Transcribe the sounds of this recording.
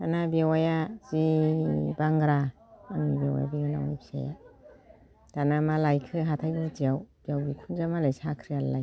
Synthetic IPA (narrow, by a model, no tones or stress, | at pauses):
danabiawajazi | baŋɡɾa | anibawa̰ja̰biŋana̰wibʰisa̰ja̰ | tanamalajkʰɯɦatʰajbɯtijawb̥ijawbikʰunzamalajsakʰɾijallaj